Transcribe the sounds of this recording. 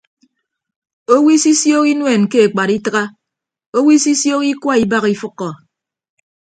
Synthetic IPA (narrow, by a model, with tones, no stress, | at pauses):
o˦wi˦si˦sjo˦ki˦nwe˨nke˦e˨k͡pa˨ɾi˦tɨ˦ɣa˦ | o˦wi˦si˦sjo˦ki˦kwa˦i˦ba˦ɣi˦fɨ˦kːɔ˨